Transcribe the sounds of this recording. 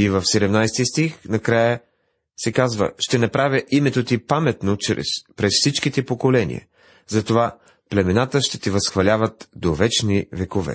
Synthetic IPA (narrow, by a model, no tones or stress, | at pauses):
ivəfsɛd̪ɛmnajst̪ist̪ixnɐkɾajə | sɛkazvə̰ʃt̪ɛnɐpɾavɛʔimɛt̪ot̪ipamɛt̪not͡ʃpɾɛsfsit͡ʃkit̪ɛpokolɛnḭə̰ | zɐt̪ova | plɛmɛnat̪əʃt̪ɛt̪ɛvɐsxvɐlʲavət̪d̪ovɛt͡ʃnivɛkovɛ̰